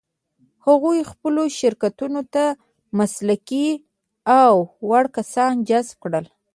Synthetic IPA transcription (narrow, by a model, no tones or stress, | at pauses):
haɣujxpəloʃɪɾkat̪unot̪a | maslaki | awːaɽkasɑnd͡ʒazb̚kɽəl